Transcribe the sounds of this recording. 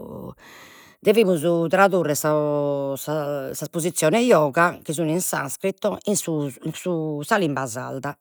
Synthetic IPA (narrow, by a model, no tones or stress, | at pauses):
d̪evimuzut̪ɾaðurːɛsasasaspozit̪sːjɔːnɛjɔːɣak̟izuninsa̰nskɾit̪ːɔinsunsusalimbaza̰ld̪a